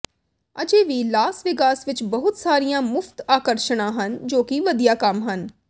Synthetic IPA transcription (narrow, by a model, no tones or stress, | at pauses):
əd͡ʒeːʋilaːsʋɪkaːsʋɪt͡ʃbəɦʊt̪saːɾijãːmʊpt̪aːkəɾʃəɽ̃ãːɦənd͡ʒoːkiʋəd̪ijaːkəmɦən